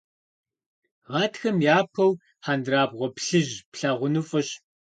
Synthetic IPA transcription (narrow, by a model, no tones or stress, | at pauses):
ʁɑːtʰxɐmjaːpʰɐw | ħaːndraːbʁʷɔpɬɨʑpɬaːʁʷʊnufʼɐɕ